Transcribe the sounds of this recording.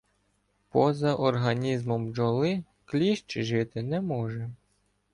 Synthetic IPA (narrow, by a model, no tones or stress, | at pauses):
pɔzɐʔɔrɦɐnʲizmɔmd͡ʒɔlˠɪ | klʲiʃt͡ʃɪʒɪt̪ɪnɛmɔʒɛ